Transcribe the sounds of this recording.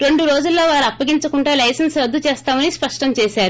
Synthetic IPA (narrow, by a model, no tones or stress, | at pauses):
ɾe̞ɳɖuɾo̞ːd͡ʒulːo̞ːʋaːɾuɐpːɐɡiɲt͡ʃɐkuɳʈaːlɐjsɐnsɾɐd̪ʱːut͡ʃɛːst̪aːmɐnispɐʂʈɐmt͡ʃɛːsaːɾu